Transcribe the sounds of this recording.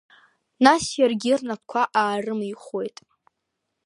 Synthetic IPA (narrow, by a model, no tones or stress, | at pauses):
nasjarɡʲirnap̚ʰkʷʰaʔaːrɨmiχʷojtʼ